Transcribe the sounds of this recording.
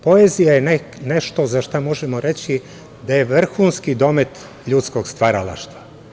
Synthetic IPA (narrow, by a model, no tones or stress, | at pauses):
po̞ezijajen | neʃt̪o̞zaʃt̪amo̞ʒemo̞ɾe̞t͡ɕi | d̪aje̞ʋr̩xuːnskid̪o̞me̞t̪ | ʎut̪sko̞ɡst̪ʋaɾala̰ʃt̪ʋa